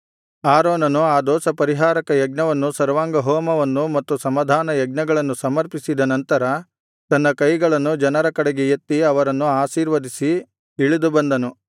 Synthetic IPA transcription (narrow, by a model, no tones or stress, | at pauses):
aːɾoːnɐnuaːd̪ɔːsɐpɐɾiɦaːɾɐkɐjɐɡnɐʋɐnːusɐɾʋaːŋɡɐɦɔːmɐʋɐnːumɐt̪ːusɐmaːd̪ʱaːnɐjɐɡ̚nɐɡɐɭɐnːusɐmɐɾpisid̪ɐnɐnt̪ɐɾɐ | t̪ɐnːɐkɐjɡɐɭɐnːud͡ʒɐnɐɾɐkɐɽeɡejet̪ːiɐʋɐɾɐnːuaːʃiːɾʋɐd̪ʱisi | iɭid̪ubɐnd̪ɐnu